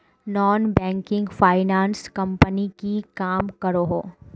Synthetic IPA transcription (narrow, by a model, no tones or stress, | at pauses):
nɔːnbɛ̃ːŋkɪ̃ŋɡfaːɪnaːnskɐ̃mpənikikaːmkɐɾoɦoː